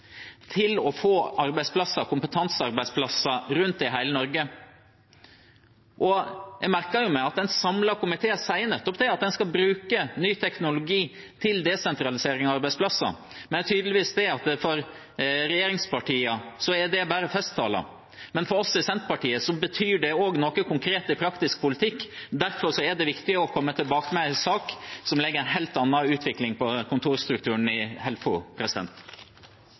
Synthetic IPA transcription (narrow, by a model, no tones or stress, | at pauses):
t̪ʰɪlɔfoːɑɾbæɪspʰlɑsːɑkʊmpət̪ʰɑnsɑɾbæɪspʰlɑsːɑɾʉnt̪̚d̪ɛɪɦæɪlənɔɾɡə | ʔɔjæɡmæɾkəɾjʊmæɑt̪̚d̪ɛnsɑmlɑkʊmɪt̪ʰeːsæɪnɛt̪ːɔp̚d̪ɛɑt̪̚d̪ɛnskɑlbɾʉːkənyːt̪ʰɛknʊlʊɡiː | t̪ʰɪld̪ɛsɛnt̪ɾɑlɪseːɾɪŋɑɑɾbæɪspʰlɑsːɑ̰ | mɛnæt̪ʰyːd̪əlɪʋiːsd̪ɛɑt̪fɔɾ | ɾɛjeːɾɪŋspʰɑʈiːəsɔæɖɛbæːɾəfɛst̪ʰːɑ̰ːlɑ̰ | mɛnfɔɾɔsːɪsɛnt̪pɑʈiːəsɔbət̪ʰyːɖɛoːɡnoːkəkʰʊŋkʰɾeːt̪ɪpʰɾɑkt̪ɪsk̚pʊlɪt̪ʰɪkːd̪æɾfɔɾʂɔæɖɛʋɪkt̪ɪəɔkʰɔmːət̪ʰɪlbɑːkəmɛsɑːksɔmlɛɡːəɾɛnɦɛlt̪ɑnːɑʉːt̪ʰʋɪklɪŋpɔkʰʊnt̪ʰuːɾst̪ɾʉkt̪ʉːɳɪhɛlfʊpʰɾɛsɪd̪ɛ̰nt̪